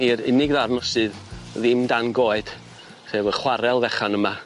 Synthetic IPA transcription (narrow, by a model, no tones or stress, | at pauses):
iɾɪ̰nɪɡðarnɔsɨððɪmdanɡoːɨd̥ | χeːvəχwaɾɛlˠvɛχanəma